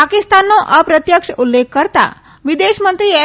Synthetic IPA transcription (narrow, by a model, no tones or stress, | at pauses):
akist̪anːɔʔəpɾət̪jəkʂəulːekːəɾt̪a̰ | ʋid̪eɕmənt̪ɾiːɛ